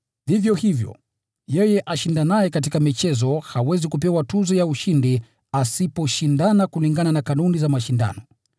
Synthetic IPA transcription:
hivjɔhivjɔ̰ | jɛjɛʔaʃindanajɛkatikamit͡ʃɛzɔhawɛzikup̬ɛwatuzɔjauʃindi | asipɔʃindanakuliŋɡananakanunizamaʃinda̰nɔ

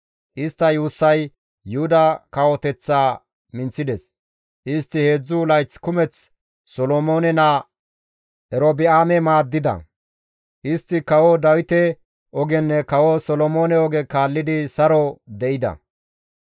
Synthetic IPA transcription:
ʔɪst̪ːɐjuːsːɐj | jʊhʊd̪ɐkɐwɔt̪ɛt͡sːaː | mɪnt͡sːɪd̪ɛs | ʔɪst̪ːɪhe̞ːd͡zːʊlɐjt͡skʊmɛt͡s | sɔlomo̞ːnɛnaː | ʔɛɾobɪaːmɛmaːd̪ːɪd̪ɐ̰ | ʔɪst̪ːɪkɐwɔd̪ɐwɪt̪ɛ | ʔɔɡɛnːɛkɐwɔsɔlɔmo̞ːnɛɔɡɛkaːlːɪd̪ɪsɐɾɔd̪ɛʔɪd̪ɐ̰

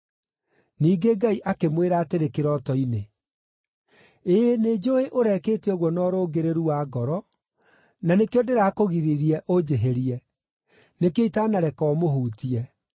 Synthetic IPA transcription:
niːɡeɡaiʔakemweɾaːteɾekeɾɔtɔine | eened͡ʒoeʔoɾɛkeːtiɔɣwɔnɔːɾoɡeɾeɾuwaːɡɔɾɔ | nanekeodeɾaːkoɣiɾiɾiɛʔod͡ʒeɦeɾiɛ | nekeitanaɾɛkɔmoɦuːtiɛ

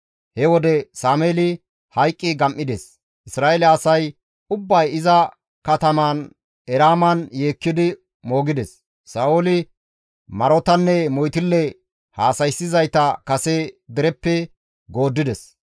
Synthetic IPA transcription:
hɛwɔd̪ɛsaːmeːlɪ | hɐjkʼːɪɡɐmʔɪd̪ɛs | ʔɪsɾaːʔelɛɐsɐj | ʊbːɐjɪzɐ | kɐt̪ɐmaːn | ɛɾaːmɐnje̞ːkːɪd̪ɪ | mo̞ːɡɪd̪ɛsː | aːʔolɪ | mɐɾɔt̪ɐnːɛmɔjt̪ɪlːɛ | haːsɐjsːɪzɐjt̪ɐkɐsɛd̪ɛɾɛpːɛ | ɡo̞ːd̪ːɪd̪ɛs

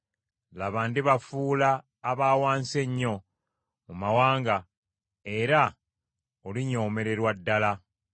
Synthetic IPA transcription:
laβandiβafuːlaː | βaːwaːnse̞ɲːo̞ | mumawaːŋɡa | e̞ɾa | oliɲo̞ːme̞ɾe̞ɾwadːala

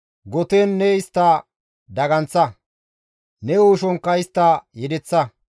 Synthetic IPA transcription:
ɡɔt̪eːnːɛɪst̪ːɐ | d̪ɐɡɐnt͡sːɐ | nɛoːʃɔŋkːɐɪst̪ːɐjɛd̪ɛt͡sːɐ

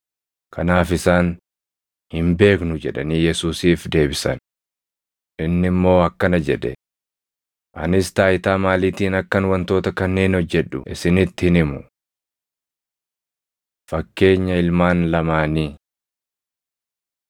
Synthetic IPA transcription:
kʰɐnaːfɪsaːn | hɪmbe̞ːknʊd͡ʒɛᶑɐniːjɛsuːsiːfd̪e̞ːbɪsɐ̰n | ʔɪnːɪmːo̞ːɐkːɐnɐd͡ʒɛᶑ̪ɛ̰ | ʔɐ̰nɪst̪aːɪt̪aːmaːliːt̪iːnɐkːɐnwɐnt̪o̞ːt̪ɐkɐnːeːnɔd͡ʒːɛᶑʊ̰ʔɪsɪnɪt̪ːɪhɪnɪmʊ | fɐkːe̞ːɲːɐɪlmaːnlɐmaːniː

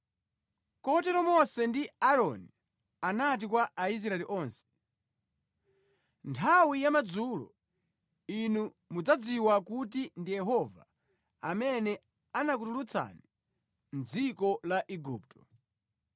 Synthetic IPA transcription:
kɔhɔtɛɾɔmɔsɛndiaɾɔni | anat̬ikwaʔais̬ɾaɛliʔɔːnsɛ̥ | ntʰawijamad͡zuːlɔ̰ | inu | mud͡zad͡ziwakut̬indijɛɦɔva̰ | a̰mɛnɛ | anak̬utulut͡sa̰ni | n̩d͡zikɔlaʔiɡuːp̚tʰɔ

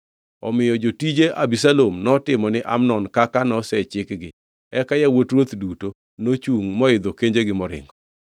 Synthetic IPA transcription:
ɔmɪjɔd͡ʒotid͡ʒeʔabisalomnɔtɪmɔnɪʔa̰mnɔnkakanɔsɛt͡ʃɪkɡɪ | ɛkajawotɾwot̪duto | not͡ʃuŋmɔɪd̪okeɲd͡ʒeɡɪmɔɾɪ̰ŋɡɔ

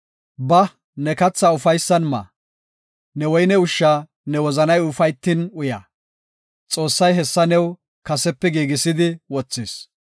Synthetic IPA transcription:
bɐ | nɛkɐt͡sːɐʊfɐjsːɐnmɐ̰ | nɛwɔjnɛʊʃːaː | nɛwɔzɐnɐjʊfɐjt̪ːinʊja̰ː | t͡sʼo̞ːsːɐjɦɛsːɐnɛw | kɐsɛpːɛɡiːɡɪsɪd̪ɪwɔt͡sːɪːs

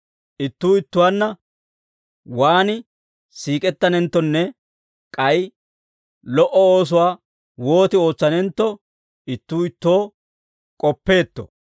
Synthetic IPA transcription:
ʔɪt̪ːuːɪt̪ːʊwaːnːɐ | waːnɪ | siːkʼɛt̪ːɐnɛnt̪ːɔnːɛ | kʼɐj | lɔʔɔoːs̬ʊwaː | wo̞ːt̪ɪo̞ːt͡sːɐnɛnt̪ːɔ | ɪt̪ːuːɪt̪ːo̞ː | kʼɔpːe̞ːt̪ːɔ̰

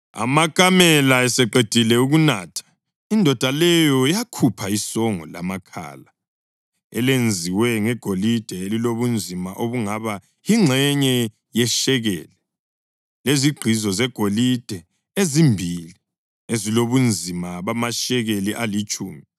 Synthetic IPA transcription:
a̰makʼamɛlaɛsɛǃed̥ʱilɛuɣunaːtʰḁ | indʱɔd̥ʱalɛjɔjakʰupʰaisɔŋɔ̰la̰makʰa̰ːla | ɛ̰lend͡zʱiwɛŋɛɡ̥ʱolid̥ʱɛeliloβund͡zʱimaʔoβuŋaβa | iŋ͡ǁʱɛɲɛ | jɛʃɛɣɛ̰ːlɛ | leziɡ͡ǃʱizɔzɛɡ̥ʱolid̥ʱɛ | ezimbʱili | eziloβund͡zʱimaβamaʃɛɣeliʔalit͡ʃʼṵːmi

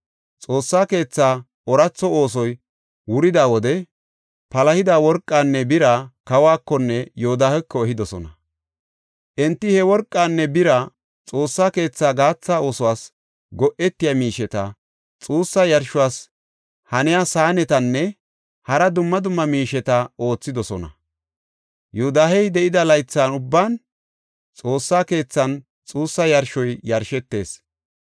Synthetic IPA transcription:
t͡sʼo̞ːsːaːke̞ːt͡sːaː | ɔɾɐt͡sːɔo̞ːs̬ɔj | wʊɾɪd̪aːwɔd̪ɛ | pɐlɐhɪd̪aːwɔɾkʼːaːnːɛbɪɾɐkɐwaːkːɔnːɛjoːd̪aːhɛkːɔɛɦɪd̪ɔsɔ̰nɐ | ʔɛnt̪ːɪhɛwɔɾkʼːaːnːɛbɪɾɐ | t͡sʼo̞ːsːaːke̞ːt͡sːaːɡaːt͡sːaːo̞ːsʊwaːs | ɡɔʔɛt̪ːɪjamiːʃɛt̪ɐ̰ | t͡sʼuːsːɐjɐɾʃʊwaːs | hɐnɪjaːsaːnɛt̪ɐnːɛ | hɐɾɐd̪ʊmːɐd̪ʊmːɐmiːʃɛt̪ɐo̞ːt͡sːɪd̪ɔsɔnɐ̰ | jʊhʊd̪aːhɛjd̪ɛʔɪd̪ɐlɐjt͡sːaːnʊbːaːn | t͡sʼo̞ːsːaːke̞ːt͡sːɐn | t͡sʼuːsːɐjɐɾʃɔjjɐɾʃɛt̪ːe̞̰ːs

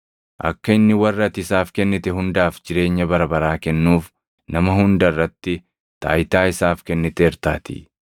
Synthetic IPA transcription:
ʔɐ̰kːɐɪnːɪwɐrːɐt̪ɪsaːfkɛnːɪt̪ɛɦʊnd̪aːfd͡ʒɪɾe̞ːɲːɐbɐɾɐbɐɾaːkɛnːuːf | nɐmɐhʊnd̪ɐrːɐt̪ːɪ | t̪aːjt̪aːɪsaːfkɛnːɪt̪ɛːɾt̪aːt̪ḭ

